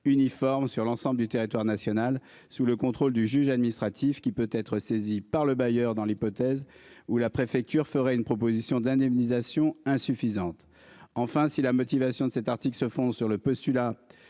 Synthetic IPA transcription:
ynifɔʁmsyʁlɑ̃sɑ̃bləd̪yt̪eʁit̪waʁnasjɔnal | suləkɔ̃t̪χold̪yʒyʒad̪̚minist̪χat̪ʰifkʲipøt̪ɛt̪χəsezipaʁləbajœʁd̪ɑ̃lipɔt̪ɛzulapχefɛk̚t̪yʁfəʁɛynpχɔp̬ozisjɔ̃d̪ɛ̃d̪ɛmnizasjɔ̃ɛ̃syfizɑ̃t̪ | ɑ̃fɛ̃silamɔt̪ivasjɔ̃d̪əsɛt̪aʁt̪iklsəfɔ̃d̪syʁləpɔst̪yla

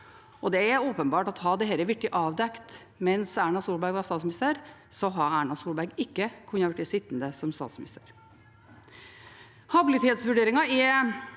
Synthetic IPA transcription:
ɔd̪ɛæɾoːpənbɑːʈɑt̪ɦɑd̪ɛɦɛləʋɪk̚ʈːɪʔɑːʋd̪ɛkt̪ | mɛnsæːɳɑsuːlbæɡʋɑst̪ɑːt̪smnɪst̪əɾsɔɦɑæːɳɑsuːlbæɾɡɪkːəkʰʉnːɑʋʉʈːɪsɪt̪ːnd̪əsɔmst̪ɑ̰ːt̪smɪnɪ̰st̪əɾ | hɑbɪlɪt̪ʰeːt̪sʋʉɖeːɾɪŋɑɪ

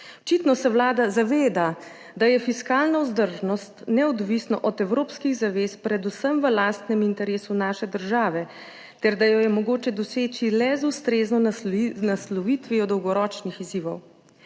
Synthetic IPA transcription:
ɔt͡ʃit̪nɔsɛwlaːd̪azaʋeːd̪a | d̪ajɛfiskaːlnauzd̪əɾʒnɔst̪nɛɔd̪ʋisnɔʔɔd̪ɛwɾoːpskiɣzaʋeːspɾɛd̪usəmʋəlaːst̪nɛmint̪ɛɾeːsunaːʃɛd̪əɾʒaːʋɛ | t̪ɛɾd̪ajɔjɛmɔɡoːt͡ʃɛd̪ɔseːt͡ʃilɛzust̪ɾeːznɔnaslɔʋiːt̪ʋiɔd̪ɔwɡɔɾɔːt͡ʃnixiziːʋɔw

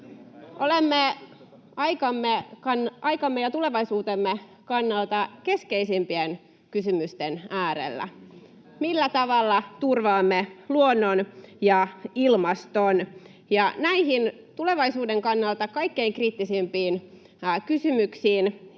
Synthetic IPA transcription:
ʔolemːe | ɑjkɑmːeɑnɑjkɑmːejɑt̪ule̞ʋɑisuːt̪emːekɑnːɑlt̪ɑke̞skeisimpien | kysymyst̪enæːɾḛlːæ̰ | milːæt̪ɑʋɑlːɑt̪urʋɑːmːeluonːonjɑilmɑst̪on | jɑnæihin | t̪ule̞ʋɑisuːdeŋkɑnːɑlt̪ɑkɑikːeiŋkriːt̪ːisimpiːn | kysymyksiːn

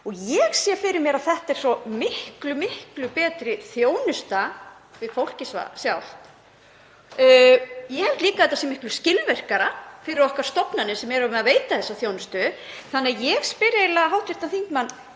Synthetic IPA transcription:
ɔɣjɛɣsjɛfɪɾɪɾmjɛɾaðθɛht̪ɛɾ̥sɔmɪhklʏmɪhklʏpɛːt̪ɾɪθjoːwnʏst̪a | vɪð̥fowl̥cɪsva̰sjawht̪ | jɛhɛlt̪liːkaθɛt̪ːasjɛmɪhklʏscɪlvɛr̥kaɾafɪɾɪɾɔhkaɾ̥st̪ɔpnanɪsɛmɛɾaʏmɛaðveːjt̪aθɛsːaθjownʏst̪ʏθanːɪaðjɛɣspɪɾejlaɦawht̪fɪɾ̥t̪aθiŋkmanː

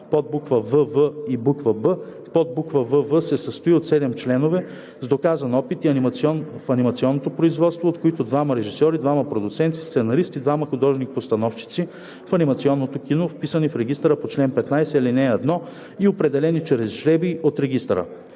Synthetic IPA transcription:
pɔd̪̚bukvəvəvəibukvəbə | pɔd̪̚bukvəvəvəsɛsəst̪oiot̪sɛd̪ɛmt͡ʃlɛnovɛ | zd̪okazɐnɔpit̪iɐnimnfɐnimɐt̪siɔnːot̪opɾoizvɔt̪st̪voːt̪koit̪od̪vamɐɾɛʒisɔɾid̪vamɐpɾod̪ʊt̪sɛnt̪ist̪sɛnɐɾist̪id̪vamɐxod̪ɔʒnipost̪ɐnɔft͡ʃi̥t̪si | fɐnimɐt̪siɔnːot̪okinofpisənifɾɛɡʲist̪ɾəpot͡ʃlɛnpɛt̪najsɛilinɛɛd̪nɔ | iopɾɛd̪ɛlɛnit͡ʃɾɛzʒɾɛbiot̪ɾɛɡist̪ɾə̰

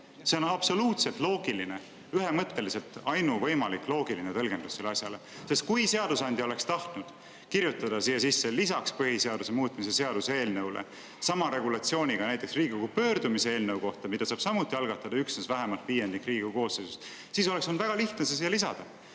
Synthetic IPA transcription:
se̞o̞nɑb̥so̞luːt̪se̞lt̪lo̞ːɡ̥iline | yɦe̞mɤt̪ːe̞lise̞lt̪ˑɑjnuvɤ̞jmɑlikːˑlo̞ːɡ̥ilinet̪ɤlɡ̥e̞nd̪̥usselːeɑsjɑlese̞st̪̚kujse̞ɑd̪̥usɑnʲd̪ʲio̞le̞kst̪ɑht̪nud̪̥ | kiɾjut̪ːˑɑd̪̥ɑsiːjːesisːelisɑkspɯɦise̞ɑd̪use̞muːt̪ˑmis̬e̞se̞ɑd̪̥usee̞ːlnewlḛ | sɑmɑɾe̞ɡulɑt̪sio̞ːnʲiɡ̥ɑnæjt̪ːˑe̞ksriːɡioɡupø̞ːɾd̪̥umise̞e̞ːlnewko̞ht̪ɑmid̪̥ɑsɑːb̥sɑmut̪ːˑiɑlɡ̥ɑt̪ːˑɑd̪̥ɑyksnesvæɦe̞mɑlt̪viːjːend̪ikːriːɡikuko̞ːsːejsus | siso̞le̞ksond̪væɡ̥ɑliht̪nesesiːelisɑ̰d̪̥ɑ

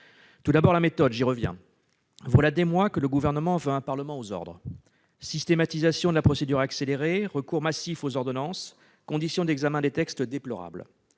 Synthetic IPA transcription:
t̪ud̪abɔʁlamet̪ɔd̪ʒiʁəvjɛ̰̃ | vwalad̪emwakələɡuvɛʁnəmɑ̃vøɛ̃paʁləmɑ̃ozɔ̰ʁd̪ʁə | sist̪emat̪izasjɔ̃d̪əlapχɔsed̪yʁakseleʁeʁəkuʁmasifozɔʁd̪ɔnɑ̃s | kɔ̃d̪isjɔ̃d̪ɛɡzamɛ̃d̪et̪ɛkst̪d̪eplɔʁa̰bl

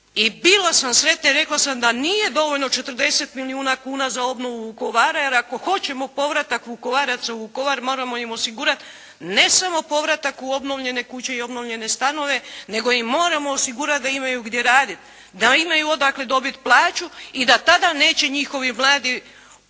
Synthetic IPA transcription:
ibilasamsɾe̞t̪naiɾe̞klˠasamd̪aniːje̞d̪o̞ʋo̞ʎno̞t͡ʃe̞t̪ɾd̪e̞se̞t̪miliuːnakuːnazao̞bno̞ʋuʋuko̞ʋaɾajeɾako̞xo̞t͡ɕe̞mo̞po̞ʋɾat̪akʋuko̞ʋaɾat̪sauʋuko̞ʋaɾmo̞ːɾamo̞imo̞siɡuːɾat̪ | ne̞samo̞po̞ʋɾat̪akuo̞bno̞ʋʎe̞ne̞kut͡ɕe̞io̞bno̞ʋʎe̞ne̞st̪ano̞ʋe̞ne̞ɡo̞jimːo̞ːɾamo̞osiɡuɾat̪̚d̪aimajuɡd̪je̞ɾaːd̪it̪ | d̪aimajuo̞d̪akle̞d̪o̞bit̪plˠaːt͡ʃuid̪at̪ad̪ane̞ːt͡ɕe̞ɲixo̞ʋimlˠaːd̪i

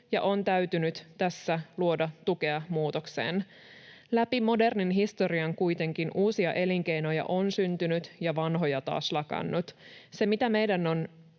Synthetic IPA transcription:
jɑ̰ʔo̞nt̪æyt̪ynyt̪t̪æsːæluo̞dɑt̪ukeɑmuːt̪o̞kse̞̰ːn | læpimo̞de̞rninɦist̪o̞ɾiɑŋkujt̪e̞ŋkinʔuːsiɑʔe̞liŋke̞jno̞jɑ̰ʔo̞nsynt̪ynyt̪jɑʋɑnɦo̞jɑt̪ɑ̰ːslɑkɑ̰nːut̪se̞mit̪æme̞jdænon

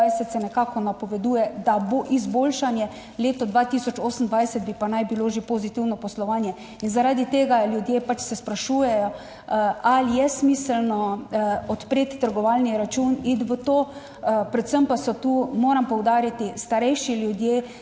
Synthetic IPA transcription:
ajsɛt̪sɛnɛkaːkɔnapɔʋɛd̪uːjɛd̪aboʔizboːlʃanjɛ | leːt̪ɔd̪ʋat̪isɔt͡ʃoːsn̩d̪ʋajsɛd̪̚bipanajbiloʒepozit̪iwnɔpɔslɔʋaːnjɛ | inzaɾad̪it̪eːɡaljud̪jeːpat͡ʃsɛspɾaʃuːjɛjɔ | alijɛsmiːsəlnɔɔt̪pɾeːt̪ːəɾɡɔʋalniɾat͡ʃunid̪ʋət̪oː | pɾɛt̪səmpasɔt̪umoːɾampɔwd̪aːɾit̪ist̪aɾɛjʃiljud̪je

